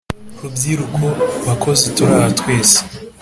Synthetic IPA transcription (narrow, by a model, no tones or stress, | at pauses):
ɾubjiɾukoβakʰo̞zituɾahatwe̞ːse̥